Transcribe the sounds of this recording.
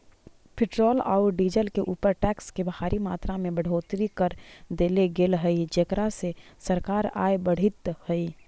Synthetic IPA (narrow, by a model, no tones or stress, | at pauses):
pʰɪʈɾoːla̰ʊɾɖiːd͡ʒəlkeʔuːpəɾʈɛːkskebəhaːɾʔimaːt̪ɾamẽbəɽ̤oːt̪ɾikəɾd̪eːleɡeːlɦəid͡ʒekɾasesəɾkaːɾa̰ːebəɽ̤ɪt̪həi